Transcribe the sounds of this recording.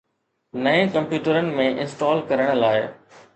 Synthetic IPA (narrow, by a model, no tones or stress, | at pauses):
nɐẽkɐ̃mpjuːʈəɾənɪ̆mẽʔɪ̃nsʈɔːlkɐɾəɽ̃laːɪ